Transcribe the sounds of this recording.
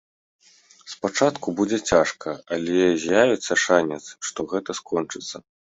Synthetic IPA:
spat͡ʂat̪kubud͡zʲɛt͡sʲaʂkʰɐalʲɛzʲjavʲɛt̪sːɐʂanʲɛt̪sʂt̪ɔɣɛt̪ɐskɔnt͡ʂɨt̪sːɐ

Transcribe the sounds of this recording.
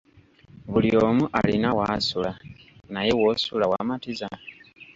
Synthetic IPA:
βulioːmuʔa̰lḭnawaːsulanaje̞wo̞sulawaːmatiza

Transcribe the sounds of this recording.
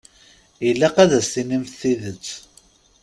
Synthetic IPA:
əlːæqæðæstinimθθiðət͡sː

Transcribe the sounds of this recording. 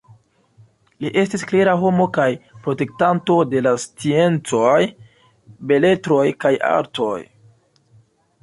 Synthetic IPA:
liʔe̞stiskleɾaɦo̞mo̞kajpɾo̞te̞k̚tanto̞de̞last͡sie̞nt͡so̞j | be̞le̞tɾo̞jkaja̰ɾto̞j

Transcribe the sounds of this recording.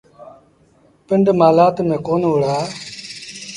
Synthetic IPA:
pɪɳɖmaːlaːt̪mẽːkoːnʊɽaː

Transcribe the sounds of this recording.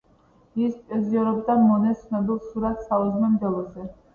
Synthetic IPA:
ispʼɛziɔɾɔbid̪anmɔnɛsnɔbilˠsuɾat̪saɔzmɛmd̪ɛlˠɔzɛ

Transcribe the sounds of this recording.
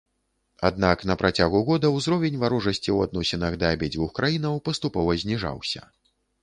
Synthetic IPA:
a̰d̪naknɐpɾʔat͡sʲaɣuɣɔd̪ɐwzɾɔvʲɛnʲvaɾuʐɐsʲt͡sʲiwad̪̚nɔsʲɛnɐɣd̪ɐabʲɛd͡zʲvuxkɾajinɐwpɐst̪upɔvɐzʲnʲiʐa̰wsʲɐ̰

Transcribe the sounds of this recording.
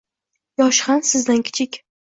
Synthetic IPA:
jɒʃhansɪzd̪ankʲʰɪ̥t͡ʃʰɪkʲ

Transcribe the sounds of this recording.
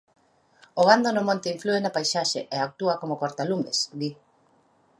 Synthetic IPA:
oɣ̞and̪onʊmõnt̪eiɱfluenapajsaʃeʔeak̚t̪uakomokoɾt̪alumesd̪i

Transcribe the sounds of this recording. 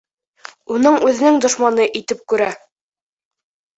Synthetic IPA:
unɤɴʉðɘ̆nɘŋd̪ŏʃmɑnɤʔit̪ɘp̚kʉɾæ

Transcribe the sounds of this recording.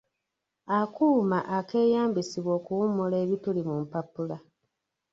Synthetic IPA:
akuːmaʔake̞ːjaːmbisiβwo̞ːkuwumule̞ːβitulimumpapula

